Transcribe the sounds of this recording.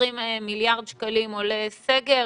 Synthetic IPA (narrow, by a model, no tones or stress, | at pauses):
immiljaʁd̪ʃkalimoleseɡe